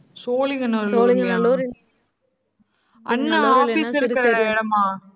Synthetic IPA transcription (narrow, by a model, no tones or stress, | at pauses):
soːlɪŋɡɐnɐlːŋɡɐɐ | ɐnːɐaːfiːsɪɾɯkkːɐɾɐɪɽɐmaː